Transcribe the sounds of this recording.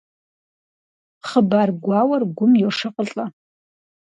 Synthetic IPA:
χəbarɡʷawɐrɡʷʊmjoʂɨqʼəɬʼa

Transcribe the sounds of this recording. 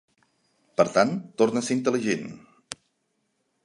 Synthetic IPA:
pəɾt̪ant̪ːornəseint̪əliʒen

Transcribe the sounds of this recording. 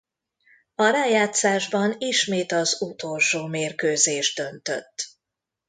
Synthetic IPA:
ɒɾaːjaːt̪saːʒbɒniʃmeːt̪ɒzut̪o̞lʃoːmeːrkøːzeːʒd̪̥ø̞nt̪ø̰t̪ː

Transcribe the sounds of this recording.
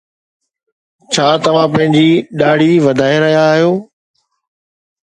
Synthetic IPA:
t͡ɕʰaːt̪ɐʋ̤ãpɐ̃ɦɪ̃ɲd͡ʑiːɗaːɽ̤iʋɐd̪ʱaːeɾɐɦijaːɦijoː

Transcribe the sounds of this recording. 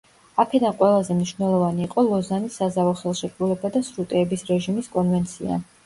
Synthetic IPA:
akʰɛd̪anqʼwɛlˠazɛmniʃvnɛlˠɔvaniːqʼɔlˠɔzanisazavɔχɛlˠʃɛkʼɾulɛbad̪asɾut̪ʼɛːbisɾɛʒimiskʼɔnvɛnt̪sʰia̰

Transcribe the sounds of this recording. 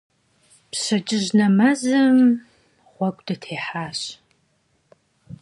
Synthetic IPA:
pɕɐt͡ʃʼɪʑnɐmazɐm | ʁʷɔkʷʼdɐtʰeːħaːɕ

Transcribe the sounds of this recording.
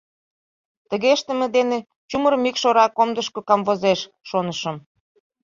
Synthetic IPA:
t̪ə̆ɣeʃt̪ə̆mĕd̪ene | t͡ɕumərəmikʃoɾɑkomd̪əʃkokɑmvozeʃː | onəʃə̆m

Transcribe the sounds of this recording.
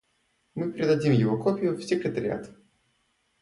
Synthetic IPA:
mɨpʲɾʲɪd̪ɐdʲimjɪvokopʲɪjʊfsʲɪkɾʲɪt̪ɐɾʲɪ̰a̰t̪

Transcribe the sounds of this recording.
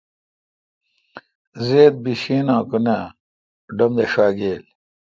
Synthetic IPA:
zeːd̪̚biɕiːnãːkune | ɖɐmd̪eʂaːɡeːl

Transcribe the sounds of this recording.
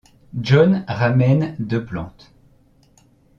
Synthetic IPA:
ʒɔnʁamɛnd̪øplɑ̃t̪

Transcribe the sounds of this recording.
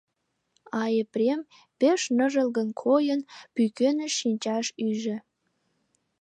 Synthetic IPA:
ɑeprʲem | peʃnəʒə̆lɣə̆nkʰojə̆npykønɘ̆ʃinʲt͡ɕɑʃyʒĕ

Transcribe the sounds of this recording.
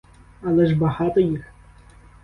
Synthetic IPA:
alˠɛʐbaɦat̪ɐjix

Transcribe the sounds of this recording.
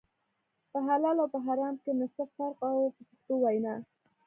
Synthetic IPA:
pəɦalɑlawpəɦaɾɑmkenasafaɾqawpət͡ʃaxt̪owajna

